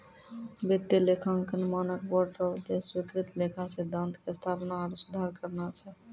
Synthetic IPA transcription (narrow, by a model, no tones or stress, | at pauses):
bət̪ːilekʰaŋkənmɔnəkbɔʈɾəd̪eswikɾit̪lekʰased̪ə̃nt̪kest̪ʰapnaəɾsud̪ʱaɾkəɾnat͡ʃʰɛ